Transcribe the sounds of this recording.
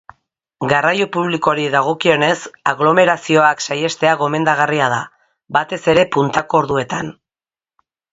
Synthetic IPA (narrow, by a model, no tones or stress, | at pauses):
ɡarajo̞puβ̞liko̞ɾiðaɣ̞o̞kio̞ne̞saɣlo̞me̞ɾasio̞aksaje̞st̪e̞aɣo̞me̞nd̪aɣ̞ariað̞a | bat̪e̞se̞ɾe̞punt̪ako̞ːɾðue̞t̪an